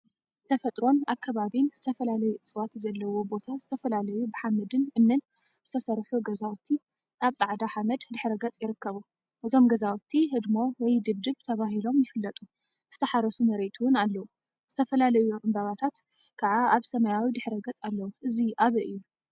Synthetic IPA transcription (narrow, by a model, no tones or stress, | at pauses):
t̪ʰɐfɐt̪ʼɾo̞naβkʰɐβaβinz̥ɨt̪ʰɐfɐlalɐjuʔɨt͡sʼɨwat̪zɐlːɐwo̞bo̞t̪ʰaz̥ɨt̪ʰɐfɐlalɐjubɨħamɐd̪ɨnʔɨmnɨn | zɨt̪ʰɐsɐɾħuɡɐzawt̪ʰːi | ʔaβsʼaʕd̪aħamɐd̪d̪ɨħɾɐɡɐt͡sʼjɪɾɨkːɐβu | ʔɨzo̞mɡɐzawt̪ʰːiɦɨd̪mo̞wɛjd̪ɨβd̪ɨβt̪ʰɐβaɦilo̞mjɪfɨlːɐt̪ʼu | z̥ɨt̪ʰɐħaɾɐsumɐɾet̪ʰuwɨnalːɐwu | z̥ɨt̪ʰɐfɐlalɐjuʔɨmbɐβat̪ʰat̪ | kʰaʕaaβsɐmɐjawid̪ɨħɾɐɡɐt͡sʼalːɐwuʔɨziʔaβɨʔɨjːu